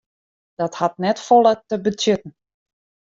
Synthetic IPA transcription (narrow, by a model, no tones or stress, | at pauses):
d̥ɔthatnɛtfolˠətəbətjøtn̩